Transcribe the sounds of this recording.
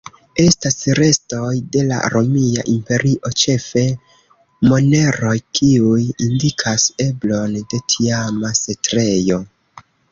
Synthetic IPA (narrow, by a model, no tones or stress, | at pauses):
e̞stasɾe̞sto̞jde̞la̰ɾʔo̞mia̰ʔimpe̞ɾiʔo̞t͡ʃe̞fe̞ | mo̞ne̞ɾo̞jkʰiujindikʰase̞blo̞nde̞tʰiamase̞tɾe̞jo̞